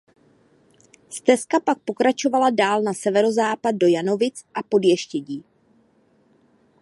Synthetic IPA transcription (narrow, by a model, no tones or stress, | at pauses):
st̪ɛskapak̚po̞kɾat͡ʃo̞valadaːlnasɛvɛɾo̞zaːpad̚do̞jano̞vɪt͡sʔapo̞djɛʃcɛɟiː